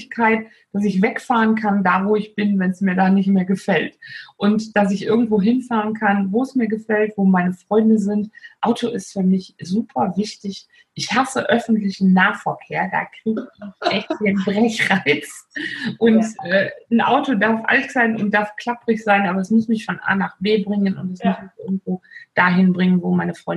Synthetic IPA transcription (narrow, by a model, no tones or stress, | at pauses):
kʰaɪt̚ | d̥as̬ɪçvɛkfaːʁənkʰandaːvoːɪçb̥ɪnvɛnsmiːɐdaːnɪçtmeːɐɡəfɛltʔʊntd̥asɪçʔɪɐɡŋ̩tv̥oːɦɪnfaːʁənkʰanvoːɛsmiːɐɡəfɛltv̥oːmaɪnəfʁ̥ɔʏndəzɪntʔaʊtʰoʔɪstfyːɐmɪçzuːpʰɐvɪçtɪç | ʔɪçhasəʔœfn̩tlɪçn̩naːfɛɐkʰeːɐda̰ːkʁ̥iːɡəɪçʔɛçtiːnbʁɛçʁaɪsʔʊntʔɛːn̩ʔa̰ʊtodaɐfʔa̰ltz̥aɪnʊnt̚d̥aɐfkl̥apʁ̥ɪçz̥aɪnʔaːbɐɛsmʊsmɪçfɔnʔa̰ːnaχb̥eːbʁɪŋənʊntɛsmʊsmɪçʔɪɐɡŋ̩tv̥oːd̥aːɦɪnbʁɪŋənvoːmaɪnəfʁ̥ɔ̰ʏ